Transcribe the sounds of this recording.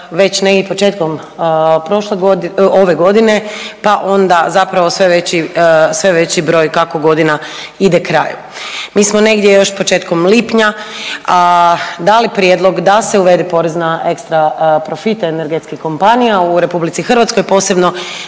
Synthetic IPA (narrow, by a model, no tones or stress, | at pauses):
ʋe̞t͡ɕneɡipo̞t͡ʃe̞ːt̪kom | pɾo̞ʃleɡoo̞ʋe̞ɡo̞d̪ine̞paʔo̞nd̪azapɾaʋo̞sʋeʋe̞t͡ɕisʋe̞ʋe̞t͡ɕibɾo̞ːjkako̞ɡo̞d̪ina | id̪ekɾa̰ːjṵ | miːsmo̞ne̞ɡd̪je̞jo̞ʃpot͡ʃeːt̪ko̞mliːpɲaad̪aːlipɾjed̪lˠo̞ɡd̪ase̞uʋe̞d̪ipo̞ɾeznae̞kst̪ɾapɾo̞fit̪aeneɾɡet̪skixko̞mpanijauɾe̞publit̪sixərɾʋat̪sko̞jpo̞ːse̞bno̞